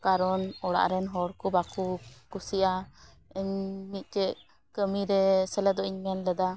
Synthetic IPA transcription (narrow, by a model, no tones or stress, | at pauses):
kaɾɔnɔɽa̰ʔɾɛnɦɔɽkubakukusiʔa | əɲmit̪̚ˀt͡ʃɛʔ | kəmiɾɛsɛlɛd̪ɔʔiɲmɛnlɛd̪a